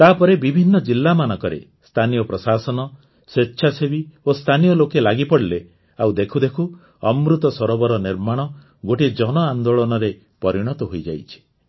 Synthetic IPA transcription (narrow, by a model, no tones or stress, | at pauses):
t̪apɔɾebibʱinːɔd͡ʒilːamanɔkɔɾḛ | st̪ʰanijɔpɾɔsasɔnɔ | setːʃʰasebiost̪ʰanijɔlokelaɡipɔɽile | awd̪ekʰud̪ekʰu | ɔmɾut̪ɔsɔɾɔbɔɾɔniɾmaɽ̃ɔ | ɡoʈid͡ʒɔnɔand̪oɭɔnɔɾe | pɔɾiɽ̃ɔt̪ɔɦojd͡ʒa̰jt͡ʃʰi̥